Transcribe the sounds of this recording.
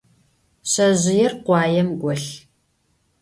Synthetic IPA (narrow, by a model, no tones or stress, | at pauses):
ɕɐʑɪjɛrqʷɑːjɛmɡʷɔɬ